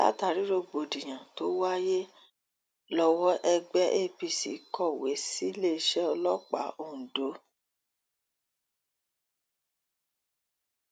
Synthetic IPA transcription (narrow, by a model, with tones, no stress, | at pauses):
la̰˦ta˨ɾi˨˦ɾo˧˨ɡ͡bo˨di˨j̃ã˨to˨˦wa˦je˦ | lɔ˧wɔ˦ʔɛ˧ɡ͡bɛ˦ʔe˦˨pi˧˨sḭ˨˦kʰɔ˦˨we˨˦si˦le˦˧˦ʃɛ˦ɔ˧lɔ˦k͡pa̰˨˦õ˦˨do˨˦